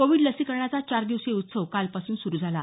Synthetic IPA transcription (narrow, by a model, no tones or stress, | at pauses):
koʋiɖləsiːkəɾɳat͡sat͡ɕaɾd̪iʋseut̪səʋkalpasuːnsuɾuːd͡zʱala